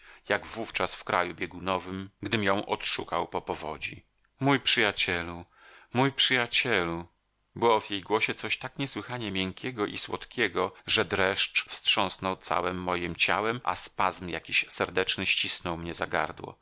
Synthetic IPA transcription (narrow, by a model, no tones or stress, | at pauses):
jaɡvuft͡ʂasfkɾajubʲjɛɡunɔvɘmɡd̪ɘmjɔ̃w̃ʔɔ̰t̪ʂukawpɔpɔvɔ̰d͡ʑḭ | mujpʂɘjat͡ɕɛlu | mujpʂɘjat͡ɕɛlu | bɘwɔvjejɡwɔɕɛt̪sɔɕt̪akɲɛswɘxaɲɛmʲjɛŋkʲɛɡɔʔiswɔ̰t̪kʲɛɡɔʐɛd̪ɾɛʂt͡ʂfstʂɔ̃snɔwt̪sa̰wɛmːɔjimt͡ɕa̰wɛmʔa̰spazmja̰kʲiɕsɛɾd̪ɛt͡ʂnɘɕt͡ɕisnɔwmɲɛzaɡa̰ɾd̪wɔ̰